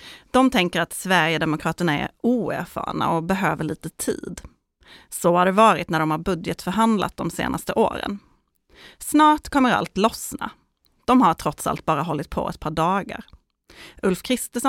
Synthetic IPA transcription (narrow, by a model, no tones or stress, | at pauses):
d̪̥ɔmt̪ʰɛŋkəɾat̪svæɾjəd̪ɛmʊkʰɾɑːt̪əɳaɛ̰ɾuːæ̰ɾfɑ̰ːɳa̰ɔbɛɦøːvəɭiːt̪ət̪ʰḭːd̪ | sɔhaɖɛvɑːɾɪt̪næɖɔmhaɾbɵd̪jət̪fœɾɦand̪lʔa̰t̪̚d̪ɔmsḛːnʔast̪əʔo̰ːɾə̰n | snɑːʈkʰɔmːəɾa̰lt̪lɔsna̰ | d̪̥ɔmɦaʈʰɾɔt̪sa̰lt̪̚bɑːɾaɦɔlːɪt̪̚pʰɔ̰ɛ̰t̪̚pʰɑːɖɑːɡa̰ɾ | ʔɵlfkʰɾɪst̪əʂɔ